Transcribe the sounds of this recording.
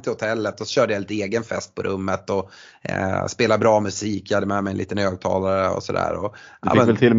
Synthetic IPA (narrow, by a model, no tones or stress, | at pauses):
t̪ʰɪlhʊt̪ʰɛlːət̪ɔsɔ̥ɕøːɖəjalɪt̪əeːɡənfɛst̪̚pʰɔɾʔɵmːət̪ɔ | speːlabɾɑːmɵsiːkːjhad̪ːəmɛmɛjənḭːt̪ənhøːɡ̚t̪ʰɑ̰ːlaɾəɔ̰sɔd̪æ̰ːɾɔʔa̰ɪmənkvɛlt̪ʰɪl